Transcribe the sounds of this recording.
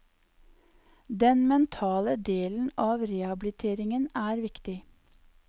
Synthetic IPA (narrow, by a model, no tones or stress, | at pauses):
d̪ɛnmɛnt̪ʰɑːləd̪eːln̩ɑːʋɾeːɑbɪlɪt̪ʰeːɾɪŋənæːɾʋɪkt̪ɪ